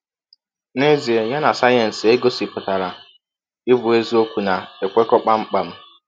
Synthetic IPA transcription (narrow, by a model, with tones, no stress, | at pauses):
ne˦zi˨e˨ja˦na˨sa˦jɔ˨n̩˨se˦ɡo˦si˨pʊ˨ta˨ɾa˨ | ɪ˦bʊ˨e˦zi˦o˦kʷu˨na˨e˨kʷe˦kɔ˦k͡pa˦ŋ͡m̩˦k͡pa˨m̩˦